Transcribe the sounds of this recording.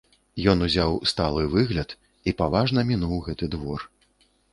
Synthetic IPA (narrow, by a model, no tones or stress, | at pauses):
jɔnuzʲawst̪alˠɨvɨɣlʲɐt̪ | ipavaʐnɐmʲinuwɣɛt̪ɨd̪vɔr